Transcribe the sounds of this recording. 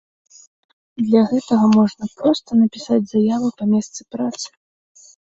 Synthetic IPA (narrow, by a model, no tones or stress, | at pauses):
d̪lʲɐɣɛt̪ɐɣɐmɔʐnɐpɾɔst̪ɐnɐpʲisad͡zʲzajavɨpɐmʲɛst̪sɨpɾat̪sɨ̥